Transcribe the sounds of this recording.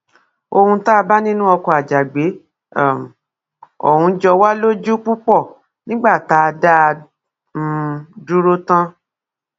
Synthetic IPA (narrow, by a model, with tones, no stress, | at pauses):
o˧hũ˧ta˦˧ba˦nĩ˦nũ˦ɔ˧kɔ˧a˨d͡ʒa˨ɡ͡be˨˦˨ | m˨ | ɔ̰˨hũ˨˧d͡ʒɔ˧wa˦lo˦d͡ʒu˦k͡pu˦k͡pɔ˦˨ | nĩ˦ɡ͡ba˦˨ta˨˦˧da˦˧ | m̩˦˧du˦ɾo˦tã˦